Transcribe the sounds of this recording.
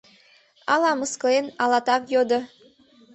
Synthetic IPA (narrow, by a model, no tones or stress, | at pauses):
ɑlɑmɤskɤlenɑlˠɑt̪ɑpjod̪ɤ̆